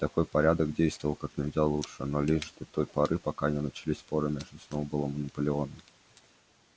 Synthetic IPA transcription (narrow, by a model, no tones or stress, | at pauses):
t̪ɐko̞jpɐɾʲad̪əkdʲejst̪vəvəlˠkaknʲɪvʲzʲdʲalˠuʂɨnolʲɪʂd̪ɐt̪o̞jpɐɾɨpɐkanʲɪnət͡ɕɪlʲisʲpoɾəmʲeʐɪsnobɨlˠəmənəpəlʲɪo̞nə